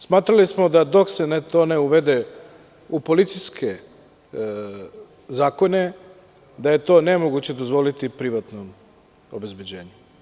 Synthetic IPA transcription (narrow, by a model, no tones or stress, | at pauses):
smaːt̪ɾalismo̞d̪ad̪o̞ksenet̪o̞ːneuʋe̞d̪e | upo̞lit̪siskʰe | zaːko̞ne̞ | d̪aje̞t̪o̞ːnemoɡut͡ɕe̞d̪o̞zʋo̞lit̪ipɾiʋat̪nom | obe̞zbed͡ʑe̞ːɲu